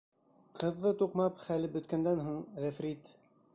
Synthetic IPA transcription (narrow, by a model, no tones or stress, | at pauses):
qʰɤ̆ðːɤt̪uqmɑpχælɘpbɵ̆t̪kænd̪ænɦuɴðæfɾit̪